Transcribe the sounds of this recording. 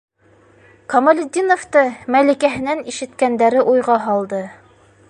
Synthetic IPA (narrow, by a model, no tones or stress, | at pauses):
komolʲɪd̪ʲinoft̪ɤmælʲikæɦɘ̆næniʃɘ̆t̪kænd̪æɾɘʔujʁɑɦɑlˠd̪ɤ